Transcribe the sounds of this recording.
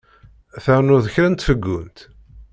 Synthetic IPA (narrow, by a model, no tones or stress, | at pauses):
θæɾnuðəçɾənt̪fəɡːunt̪